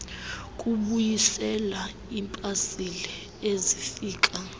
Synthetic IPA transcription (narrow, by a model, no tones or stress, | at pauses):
kʼuɓujisɛla | impʼasili | ezifiːkʼa